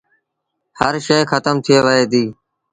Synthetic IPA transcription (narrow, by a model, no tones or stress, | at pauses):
həɾʃeːxət̪əmt̪ʰɪjeːʋəɦeːd̪iː